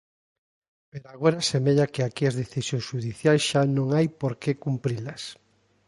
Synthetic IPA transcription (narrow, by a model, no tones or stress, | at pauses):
peɾoaɣoɾasemeʎɐkɪakiɐzðeθisjõŋsʃuðiθjajsʃanõŋajpoɾkekumpɾilɐs